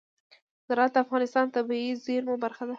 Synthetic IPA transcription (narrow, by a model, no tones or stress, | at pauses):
z̥aɾɑt̪afɣɑnɪst̪ɑnt̪abiizeɾmobaɾxad̪a